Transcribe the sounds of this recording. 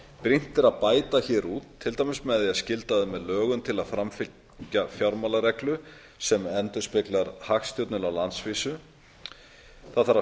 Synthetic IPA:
pɾin̥t̪ɪɾaðpaːjt̪açɛːɾuːt̪ʰːɪlt̪aːjmɪsmɛðɪaðscɪlt̪aðʏmɛðlœːɣʏmt̪ʰɪlaðfɾamfɪ | cafjaɾmalaɾɛklʏ | sɛmɛnt̪ʏ̥spɪklaɾhaxst̪jɔwt̪nɪlawlant̪sviːsʏ | θaðθaɾa

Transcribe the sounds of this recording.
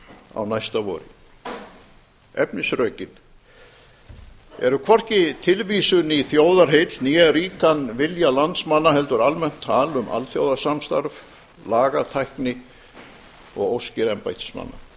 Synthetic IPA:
a̰wnajst̪avɔ̰ːɾɪ | ɛpnɪsrœːɥcɪn | ɛ̰ɾʏkʰvɔr̥cɪt̪ʰɪlviːsʏniθjoːwðaɾ̥ɦejt̪njɛriːkanvɪljalant̪smanːaɦɛlt̪ʏɾalmɛn̥t̪ʰːaːlʏmʔa̰lθjoːwðasamst̪a̰ɾv | laːɣat̪ʰajhknɪ | ɔɣowscɪɾɛmpajt̪ɪ̥sma̰nːa̰

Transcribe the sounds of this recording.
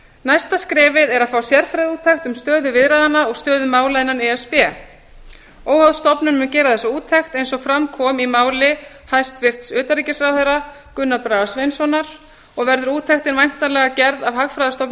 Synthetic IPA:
najst̪askɾɛːvɪðɛɾaðfaːwsjɛɾ̥fɾajðuːt̪ʰɛxt̪ʏmst̪œːðʏvɪðɾajðanːaɔɣst̪œːðʏmaːwlaðɪnanɛɛspɛː | oːwhawðst̪ɔpnʏmʏncɛːɾaðθɛsauːt̪ʰɛxt̪ejnsɔɣfɾamkʰɔːmimaːwlɪ | hajst̪vɪr̥t̪sʏːt̪aɾiːcɪsɾawhœjɾa | kʏnːapɾaːvasvejnsɔnaɾ̥ | ɔɣvɛɾðʏɾuːt̪ʰɛxt̪ɪnvajn̥t̪alɛɣacɛɾðavhaɣfɾajðast̪ɔpn

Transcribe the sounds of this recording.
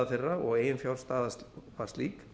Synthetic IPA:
aθɪrːaɔɣeːjɪnfjawl̥st̪aːðasvḁst̪liːk

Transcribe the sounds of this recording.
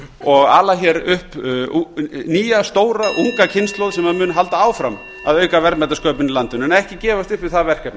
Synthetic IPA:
ɔɣa̰ːlaçɛɾʏhp | niːjast̪oːwɾaʔuŋkacʰɪnst̪lowðsɛmaðmʏːnʏɦal̪t̪aaːwfɾam | a̰ðœːɥkavɛɾt̪mɛt̪askœːpɪnilant̪ʏnɛnɛhcɪcɛːvast̪ʏhpvɪðθaðvɛr̥kɛp̪̚n

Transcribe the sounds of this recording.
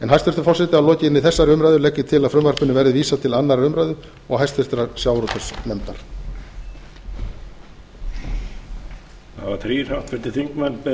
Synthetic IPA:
ɛnɦajst̪fɪɾt̪ɾ̥fɔlsɛt̪ɪalɔːcɪnɪθɛsːaɾʏmɾajðʏlɛcːɪt̪ʰɪlaðfɾʏmvar̥pʏnɪvɛɾðɪviːsat̪ʰɪlanːaɾʏmɾajðʏ | ɔɣɦajst̪fɪɾ̥t̪ɾaɾsjawɾɔt̪œsnɛmt̪aɾ̥ | θavaθɾiːr̥awht̪fɪɾ̥t̪ɪθiŋkmɛnpɛ

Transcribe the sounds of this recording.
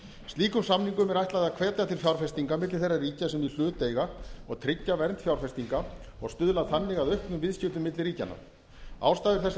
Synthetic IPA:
st̪liːkʏmsamniŋkʏmɛɾajht̪aðaðkʰvɛːt̪at̪ʰɪlfjawɾ̥fɛst̪iŋkamɪt̪lɪ̥θejrːariːcasɛmil̥ʏːt̪ejɣaɔɣt̪ʰɾɪcːavɛɾnt̪fjawɾ̥fɛst̪iŋkaɔɣst̪ʏðlaðθanːɪɣaðœhknʏmvɪðscʏt̪ʏmɪt̪lɪɾiːca̰nːa̰ | a̰ːwst̪aːðɪɾ̥θɛs

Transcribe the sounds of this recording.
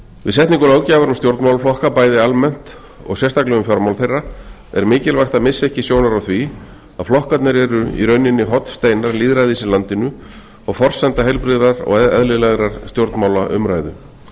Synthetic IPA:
vɪðsɛht̪niŋkʏlaːwcaːvaɾʏmst̪jowɾt̪mawlflɔhkapaːjðɪalmɛn̥t̪ | ɔ̰ɣsjɛst̪ʰaklɛɣʏmfjɔɾmawlθejrːa | ɛ̰ɾmɪːcɪlvajxt̪amɪsːɛhcɪsjownaɾawθvi | aðflɔhkat̪nɪɾɛɾʏḭɾœɥnːɪnːɪɦɔt̪st̪ejnaɾliːðɾajðisɪlant̪ɪnʏ | ɔɣfɔr̥sɛnt̪aɦejlpɾiːðɾaɾɔ̰ɣɛɛðlɪðlɛɣɾaɾ̥st̪jowɾt̪nmaːwlaʔʏmɾajðʏ

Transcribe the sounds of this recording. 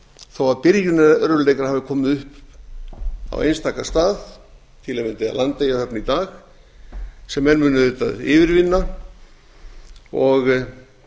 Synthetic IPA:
θawaðpɪɾjʏnɛðaœɾðʏlejkaɾ̥haːvɪkʰɔːmɪðʏhp | a̰w̰ḛjnst̪ʰaːkḁst̪aːð | t̪ʰɪlɛmɪnt̪ɪa̰lant̪ːejahœpnit̪aːx | sɛmːɛnmʏːnʏðʏt̪a̰ðɪ̰ːvɪɾvɪnːa | ɔɣ

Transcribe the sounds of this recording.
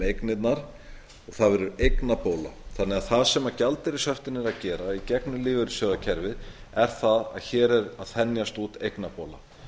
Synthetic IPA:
ejknɪt̪naɾ̥ | ɔɣθaðvɛɾʏɾejknapoːwlaθanːɛaθaðsɛmacalt̪ɪɾɪsœft̪ɪnːɪɾaðcɛːɾaicɛknʏliːvʏɾʏ̥sjœːðacʰɛɾvɪð | ɛɾ̥θaða̰ðçɛːɾɛɾaðθɛnjast̪uːt̪ejknapoːwla̰

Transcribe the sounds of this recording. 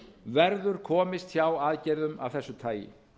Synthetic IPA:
vɛɾðʏɾ̥kʰɔːmɪst̪çjaːwaːðcɛjɾðʏma̰vθɛsːʏt̪ʰaːjɪ̰

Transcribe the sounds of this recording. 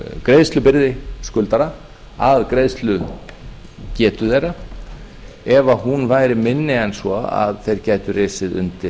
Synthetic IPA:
kɾejðst̪lʏpɪɾðɪskʏlt̪aɾa | aðkɾejðst̪lʏ | cɛːt̪ʏθejɾa | ɛvahunvaːjɾɪmɪnːɪɛnsɔa̰ðθejɾcaːjt̪ʏreːsɪðʏ̰nt̪ɪ

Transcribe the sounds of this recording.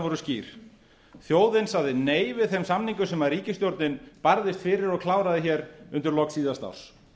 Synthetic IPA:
vɔɾʏsciːɾ̥ | θjoːwðɪnsaðɪneːjvɪðθɛmsamniŋkʏsɛmaɾiːcɪst̪jowɾt̪nɪnpaɾðɪst̪fɪːɾɪɾɔɣkʰlaːwɾaðɪçɛːɾʏnt̪ʏɾlɔksiːðast̪a̰ws

